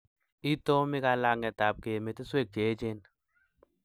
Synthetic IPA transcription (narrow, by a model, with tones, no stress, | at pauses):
i˦to˦mɪ˦ka˧la˦˨ŋɛ˨ta˨p̚ke˨me˨tɪ˦swe˦˨k̚t͡ʃe˨˦t͡ʃe˦n